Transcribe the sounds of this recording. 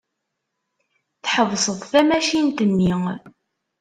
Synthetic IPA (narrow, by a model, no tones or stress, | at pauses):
θħəvsˤəðˤθæmæʃint̪ənːiŋ